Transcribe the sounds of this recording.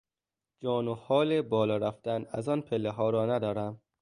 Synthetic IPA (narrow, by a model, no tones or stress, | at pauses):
d͡ʒɒːnohɒːlebɒːlɒːɾæft̪ænæzɒːnpʰelːeɦɒːɾɒːnæd̪ɒːɾæm